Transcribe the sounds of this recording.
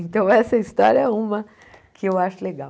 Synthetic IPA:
ẽnt̪ɐ̃w̃ɛsɐist̪ɔ̰ɾjɐɛũmɐ | kɪewaʃʊleɡaw

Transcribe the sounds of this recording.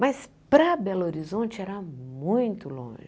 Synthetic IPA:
mɐs | pɾɐbɛloɾizõnt͡ʃɪɛɾamũj̃t̪ʊlõ̰ʒɪ

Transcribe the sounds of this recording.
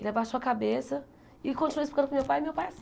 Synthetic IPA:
elɐbaʃoɐkabesɐ | ikõnt͡ʃinuisfikɐ̃d̪kmewpajmewpajas

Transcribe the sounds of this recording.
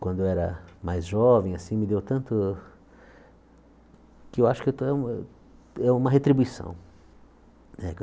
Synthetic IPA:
kwɐ̃nd̪ʊɛɾɐ̰majzʒɔvẽj̃asĩmɪd̪ewt̪ɐ̃nt̪ʊ | kɪewaʃʊ̥kewt̪oɛũ | ɛũmɐɦet̪ɾibuisɐ̰̃w̃ | nɛk

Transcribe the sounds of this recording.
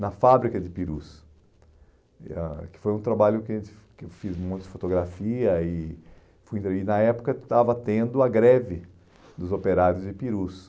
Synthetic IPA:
nɐfabɾikɐd͡ʒ̪ɪpiɾṵs | akɪ̥fojũt̪ɾabaʎʊkɪɐʒẽt̪ɪ̥ | kefizmõj̃t̪ʊd̪ɪfot̪oɡɾafiɐɪ | fujĩt̪ɾeinɐɛpʊ̥kɐt̪avɐt̪ẽnd̪ʊɐɡɾɛvɪ | d̪ʊzopeɾaɾjʊzd͡ʒɪpiɾus

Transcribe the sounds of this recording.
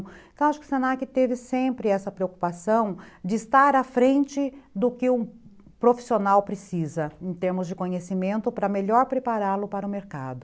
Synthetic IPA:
t̪w̃aʃʊ̥kɪʊ̥sẽnakɪt̪evɪsẽmpɾɪɛsɐpɾeoku̥pasɐ̃w̃d͡ʒɪːst̪aɾɐfɾẽnt͡ʃɪd̪ʊkɪũ | pɾofi̥sionawpɾɪsizɐẽt̪eɾmʊzd͡ʒɪkõɲesimẽnt̪ʊpɾɐmeʎɔɾpɾepaɾalʊpaɾɐʊmeɾka̰d̪ʊ

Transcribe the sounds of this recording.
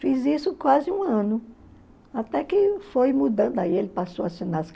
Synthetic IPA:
fizisʊkwazɪũɐ̃nʊ | at̪ɛkɪfojmud̪ɐ̃d̪ʊaielɪpasowasinask

